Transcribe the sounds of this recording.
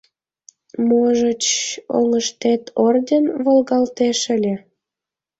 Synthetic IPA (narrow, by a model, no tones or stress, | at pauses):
moʒət͡ɕo̰ŋəʃt̪et̪ʰordʲenβolɣɑlt̪eʃə̆lʲĕ